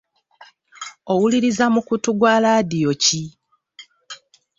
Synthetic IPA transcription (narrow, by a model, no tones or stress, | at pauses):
o̞wuliɾizamukutuɡwalaːdijo̞ci